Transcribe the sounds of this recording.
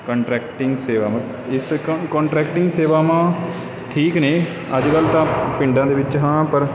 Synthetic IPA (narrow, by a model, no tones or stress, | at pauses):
kəɳʈɾɛːkʈɪ̃ŋɡseːʋaːmã | ɪskɔ̃ːɳʈɾɛːkʈɪŋɡseːʋaːmãː | ʈʰiːkneː | əd͡ʒkəlt̪ãːpɪ̃ɳɖãːd̪eːʋɪt͡ʃɦãːpəɾ